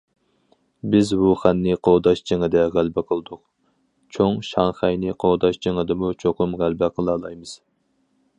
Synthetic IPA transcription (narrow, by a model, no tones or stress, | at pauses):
bɪzbuχænːɨqʰod̪ɑʃd͡ʒeŋɨd̪ɛʁælbɛqʰəlˠɨd̪ʊq | t͡ʃʰoŋʃɑŋχɛjnɪqʰod̪ɑʃd͡ʒeŋɨd̪ɨmut͡ʃʰoqʊmʁælbɛqʰəlˠɑːlˠɑjmɨz̥